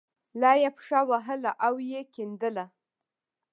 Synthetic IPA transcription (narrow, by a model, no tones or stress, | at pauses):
lɑjepʂawaɦəlaʔawjekind̪əla